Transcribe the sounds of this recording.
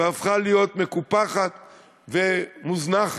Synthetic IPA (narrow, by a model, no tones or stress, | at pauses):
afχalijo̞t̪me̞kupaχat̪ | vemuznaχ